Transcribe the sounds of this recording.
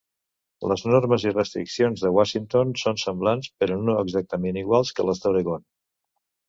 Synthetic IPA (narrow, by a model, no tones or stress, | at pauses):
ləznoɾməzirəst̪ɾḭksionzðəɣwaʃint̪onsonsəmblanspəɾɔnoəɡzak̚t̪əmeniɣwalˠskələzðəwɾəɣon